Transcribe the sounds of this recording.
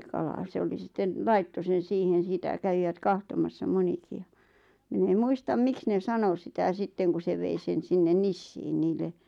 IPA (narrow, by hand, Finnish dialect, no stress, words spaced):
kɑlɑ se oli sitːen lɑitːo sen̞ siːhen̞ sitæ kæʋiʋæt kɑhtomɑsːɑ moniki jɑ min em muistɑm miks ne sɑno sitæ sitːeŋ ku se ʋei sen sinːen nisːiːn niːlːe